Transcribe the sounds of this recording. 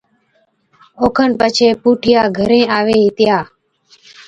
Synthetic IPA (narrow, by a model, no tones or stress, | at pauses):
oːkʰənpət͡ʃʰeːpuːʈʰɪjaːɡʱəɾẽːaːʋeːɦɪt̪jaː